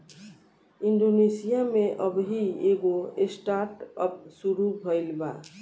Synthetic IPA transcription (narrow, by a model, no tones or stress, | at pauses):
iɳɖonesijameʔəbɦieɡoesʈaɾʈəp̚suɾubʱəjlba̰